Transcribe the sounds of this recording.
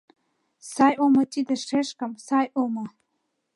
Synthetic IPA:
sajʔomatʼidaʂeʂkʼamsajʔoma

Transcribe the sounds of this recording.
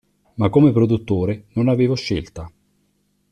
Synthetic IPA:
makːomepɾod̪ut̪ːoːɾenonaveːvoʃːelt̪a

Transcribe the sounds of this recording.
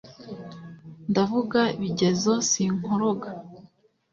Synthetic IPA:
ndavuɡaiβiɟe̞zo̞siŋoɾo̞ɡa

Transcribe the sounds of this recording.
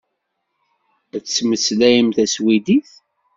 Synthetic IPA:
æt͡ssməslæjəmθæswid̪iθ

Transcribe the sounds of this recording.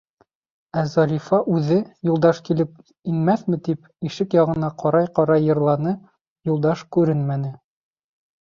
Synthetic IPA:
æzɑɾʲifɑʔʉðɘjulˠd̪ɑʃkilɘp | inmæθmɘ̆t̪ip | iʃɘkjɑʁɤ̆nɑqɒɾɑjqɒɾɑjːɤ̆ɾlˠɑnɤ | julˠd̪ɑʃkʉɾɘnmænɘ

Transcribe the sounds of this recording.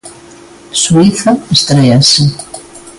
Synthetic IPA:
suiθaest̪ɾejasi

